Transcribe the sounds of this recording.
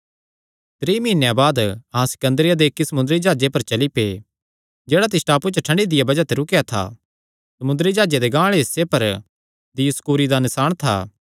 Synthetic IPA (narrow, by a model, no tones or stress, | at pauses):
t̪ɾeːmiːnjabaːd̪ɐɦãsɪ̥kə̃nd̪ɾɪjad̪ekːisɐmʊ̃nd̪ɾid͡ʒaːd͡ʒepɐɾt͡ʃɐlipe | d͡ʒeːɽat̪̬ɪsʈaːput͡ʃəʈʰɐ̃ɳɖid̪ɪjabɐd͡ʒat̪eɾʊkjat̪ʰa̰ | sɐmʊ̃nd̪ɾid͡ʒaːd͡ʒed̪eɡãːɭeɦɪsːepɐɾ | d̪iskuːɾid̪anɪsaːɽ̃t̪ʰa̰ː